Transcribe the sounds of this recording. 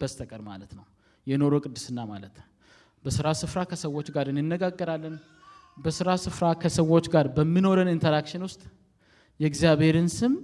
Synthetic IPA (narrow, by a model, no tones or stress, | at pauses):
b̥əst̪ʰəkʼəɾma̰lət̪nəw | jɛno̞ɾo̞kʼɨd̪ːɨsɨnːamalət̪ | bəsɨɾasɨfɾakʰəsəwːo̞t͡ʃːɡaɾɨnːɨnːəɡaɡːəɾalːən | bəsɨɾasɨfɾakʰəsəwo̞t͡ʃːɡaɾbəmːino̞ɾənɨnt̪ʰəɾakʃɪnwʊst̪ʼ | jɛɡzjaβhe̞ɾɨnsɨm